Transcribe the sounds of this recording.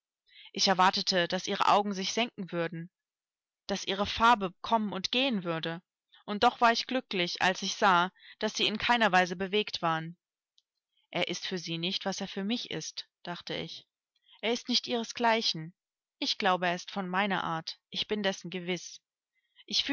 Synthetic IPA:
ʔɪçɛɐvaɐtətʰəd̥asʔiːʁ̞ə̰ʔa̰ʊɡŋ̩zɪçz̥ɛŋk̚ŋ̩vʏɐdn̩ | d̥asʔiːʁ̞əfaɐbəkʰɔmənʊntɡ̥eːənvʏɐdə | ʔʊnt̚d̥ɔχv̥aːɐɪçɡ̥lʏklɪçʔa̰lsɪçz̥aːd̥asz̥iːɪnkʰaɪnɐvaɪzəbəveːktv̥aːʁən | ʔeːɐʔɪstfyːɐziːnɪçtv̥aseːɐfyːɐmɪçɪ̰std̥aχtəɪ̰ç | ʔeːɐɪstnɪçtʔiːʁ̞əsɡ̥laɪçn̩ | ʔɪçɡ̥laʊbəeːɪstfɔnmaɪnɐ̰ʔa̰ːɐtʔɪçb̥ɪndɛsn̩ɡəvɪs | ʔɪçf

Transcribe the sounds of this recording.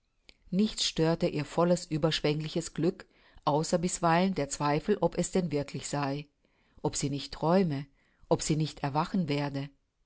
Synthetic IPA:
nɪçt͡sʃtøːɐtəʔiːɐfɔləsʔyːbɐʃv̥ɛŋlɪçəsɡ̥lʏk | ʔaʊsɐbɪsv̥aɪləndeːɐt͡sv̥aɪfl̩ʔɔpɛsd̥ɛnvɪɐkʰlɪçz̥aɪ | ʔɔpz̥iːnɪçtʰːʁ̥ɔʏmə | ʔɔpz̥iːnɪçtɛɐvaχn̩veːɐdə

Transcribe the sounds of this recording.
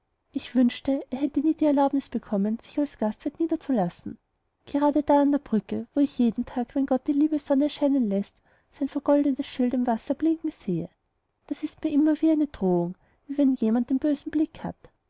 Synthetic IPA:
ʔɪçv̥ʏnʃtəʔeːɐɦɛtəniːd̥iːɛɐlaʊbnɪsb̥əkʰɔmənz̥ɪçalsɡ̥astv̥ɛɐtniːdɐt͡sulasn̩ | ɡ̥eʁaːdədaːandeːɐb̥ʁʏkəvoːɪçjeːdn̩tʰaːkvɛnɡ̥ɔt̚d̥iːliːbəzɔnəɛɐʃaɪnənlɛst | saɪnfɛɐɡ̥ɔldətəsʃɪltɪmvasɐb̥lɪŋkŋ̩z̥eːə | d̥asɪstmiːɐʔɪmɐviːaɪnəd̥ʁoːʊŋ | viːvɛnjeːmant̚d̥eːnbøːzn̩blɪkha̰t

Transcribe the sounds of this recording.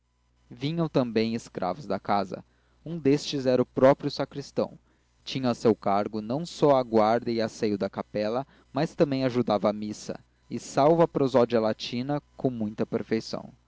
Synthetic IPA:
vĩɲɐ̃w̃t̪ɐ̃mbẽj̃ɪskɾʔa̰vʊzd̪ɐkazɐ̰ | ũd̪est͡ʃɪzɛɾɐʊpɾɔpɾjʊsakɾist̪ɐ̰̃w̃ | t͡ʃĩɲɐ̃sewkaɾɡʊnɐ̃w̃sɔɐɡwaɾd̪ɐɪasejʊd̪ɐkapɛlɐ | mɐst̪ɐ̃mbẽj̃aʒud̪avɐːmisɐ̰ | ɪsawvɐpɾozɔd͡ʒɐlat͡ʃĩnɐkõw̃mũj̃t̪ɐpeɾfejsɐ̰̃w̃

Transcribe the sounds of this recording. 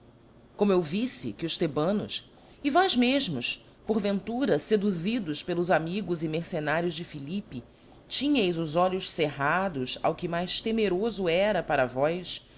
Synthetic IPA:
kõmʊewvisɪ̰kɪʊʃt̪ebɐ̃nʊs | ivɔzmeʒmʊs | poɾvẽnt̪uɾɐsed̪uzid̪ʊspelʊzamiɡʊzimeɾsenaɾjʊzd͡ʒɪfilipi | t͡ʃĩɲɐjzʊzɔʎʊʃseɦad̪ʊsa̰wkɪmajʃt̪emeɾozʊɛɾɐpaɾɐvɔjs

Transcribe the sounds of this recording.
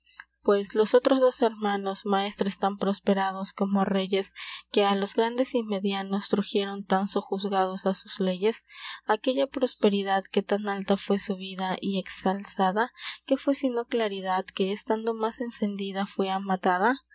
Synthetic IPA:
pwe̞slo̞sot̪ɾo̞zðo̞se̞ɾmano̞zmae̞st̪ɾoest̪ampɾo̞spe̞ɾað̞o̞sko̞mo̞re̞ʝe̞ske̞alo̞zɣɾand̪e̞sime̞ðjano̞st̪ɾuxje̞ɾo̞nt̪ansoxuzɣað̞o̞sasuz̥le̞ʝe̞sake̞ʝapɾo̞spe̞ɾiðaðke̞t̪analt̪afwe̞suβiðaʔie̞ksalsaðake̞fwe̞sino̞klaɾiðaðke̞ːst̪and̪o̞mase̞nse̞nd̪iðafwe̞amat̪aða

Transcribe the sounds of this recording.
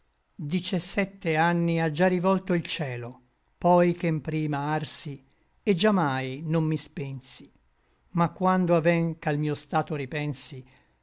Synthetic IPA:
d̪it͡ʃasːɛt̪ːeanːiad͡ʒːarːivɔlt̪oilt͡ʃɛːlo | pɔjk̟empɾiːmaarsi | ed͡ʒːamːajnomːispɛnsi | makːwand̪oavɛŋkalmiːost̪aːt̪oɾipɛnsi

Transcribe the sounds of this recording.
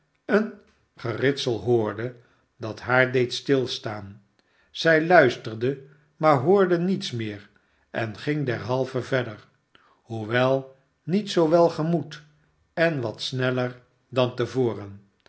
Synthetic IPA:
ən | χərɪtsəlˠɦʊːɹdə | dɑtɦaːɹdejtstɪlˠstaːn | z̥ɛjlœɥstərdə | maːɹɦʊːɹdənitsmɪːɹ | ɛnχɪŋdɛɹɦɑlˠvəvɛdəɹ | huʋɛlˠ | nitsowʋɛlˠχəmut | ɛnʋɑtsnɛləɹ | dɑntəvʊːrən

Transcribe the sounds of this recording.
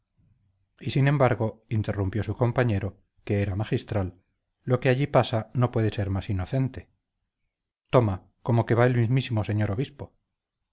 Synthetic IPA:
isinẽ̞mbaɾɣo̞int̪e̞rumpjo̞suko̞mpaɲe̞ɾo̞ | ke̞eɾamaχist̪ɾalː | o̞ke̞aʎipasano̞pwe̞ðe̞se̞ɾmasino̞θe̞nt̪e̞̥ | t̪o̞ma | ko̞moke̞βae̞lmizmisimo̞se̞ɲo̞ɾoβispo̞

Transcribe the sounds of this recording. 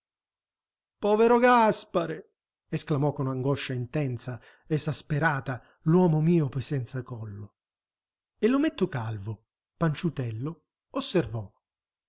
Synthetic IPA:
pɔveɾoɡaspaɾe | esklamɔkːonaŋɡɔʃːaint̪ɛnt̪sa | ezaspeɾaːt̪a | lwɔːmomiːopojsɛnt̪sakɔlːo | elːʊmet̪ːʊkalvo | pant͡ʃut̪ɛlːʊ | osːervɔ

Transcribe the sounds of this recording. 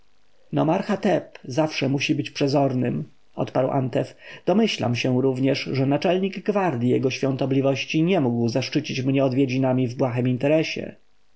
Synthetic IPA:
nɔmaɾxat̪ɛpzafʂɛmuɕibɘt͡ɕpʂɛzɔɾnɘm | ɔ̰t̪paɾwʔa̰nt̪ɛfd̪̥ɔmɘɕla̰mɕɛ̃ɾuvɲɛʂʐɛnat͡ʂɛlɲiɡɡvaɾd̪ʲijɛɡɔɕfʲjɔ̃nt̪ɔblʲivɔɕt͡ɕiɲɛmuɡwzaʂt͡ʂɘt͡ɕit͡ɕmɲɛɔd̪vʲjed͡ʑinamʲivbwaxɛmint̪ɛɾɛɕɛ̰

